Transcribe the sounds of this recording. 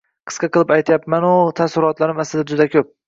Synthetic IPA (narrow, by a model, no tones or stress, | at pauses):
qʰɨ̥sqʰɑqʰɨlˠɪpajt̪ʰjapmanʊt̪ʰasɪɾɒt̪laɾɪmaslɪd̪ad͡ʒʊd̪akʲʰɵp̚